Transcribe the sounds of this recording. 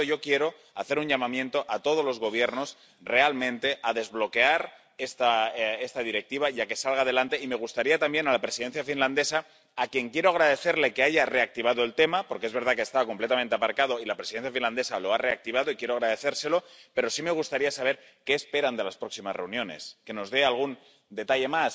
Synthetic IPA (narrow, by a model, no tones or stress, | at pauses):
oʝo̞kje̞ɾo̞ | aθe̞ɾuɲʝamãmjẽ̞nt̪o̞ʔat̪o̞ð̞o̞zlo̞zɣo̞β̞je̞ɾno̞s | re̞almẽ̞nt̪e̞ʔaðe̞zβlo̞ke̞aɾ | e̞st̪ae̞st̪að̞iɾe̞k̚t̪iβ̞aiake̞salɣ̞að̞e̞lant̪e̞imeɣ̞ust̪aɾiat̪ambje̞nalapɾe̞siðenθjafinland̪e̞sa | akje̞ŋkje̞ɾoaɣɾaðe̞θeɾle̞keaʝare̞ak̚t̪iβ̞aðo̞e̞lt̪e̞mapo̞ɾkeezβe̞ɾð̞akest̪aβako̞mple̞t̪amẽnt̪e̞apaɾkað̞o̞ilapɾesiðe̞nθjafinland̪e̞salo̞are̞ak̚t̪iβ̞aðoikje̞ɾoaɣɾað̞e̞θe̞ɾse̞lo̞pe̞ɾo̞sime̞ɣ̞ust̪aɾiasaβ̞e̞ɾ | ke̞ːspe̞ɾand̪e̞laspɾo̞ksimazre̞unjo̞ne̞̰ske̞no̞zðe̞alɣ̞un | d̪e̞t̪aʎe̞mas